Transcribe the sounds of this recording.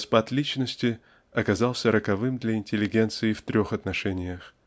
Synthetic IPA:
spat̪lʲit͡ɕnəsʲtʲɪ | ɐkɐzalˠsʲəɾəkɐvɨmd̪lʲɐɪnʲtʲɪlʲːɪɡʲe̞nt̪sɨɪft̪ɾʲo̞xɐt̪nɐʂɛnʲɪjəx

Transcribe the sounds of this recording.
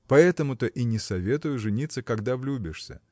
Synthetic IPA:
pɐɛt̪əmʊt̪əʔinʲɪsɐvʲe̞t̪ʊjʊʐɨnʲit̪sːəkɐɡd̪avlʲubʲɪʂsʲə̰

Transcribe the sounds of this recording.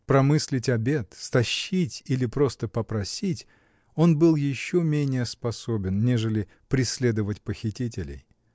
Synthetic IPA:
pɾɐmɨsʲlʲɪtʲɐbʲe̞t̪st̪ɐɕːitʲilʲɪpɾo̞st̪əpəpɾɐsʲitʲ | o̞nbɨlˠjɪɕːomʲenʲɪjəspɐsobʲɪnnʲeʐɨlʲɪ | pɾʲɪsʲlʲe̞d̪əvətʲpəxʲɪtʲitʲɪlʲɪ̰j

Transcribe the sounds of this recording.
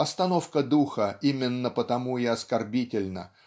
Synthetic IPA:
ɐst̪ɐno̞fkəd̪uxəimʲɪnːəpət̪ɐmuɪɐskɐrbʲitʲɪlʲnə̰

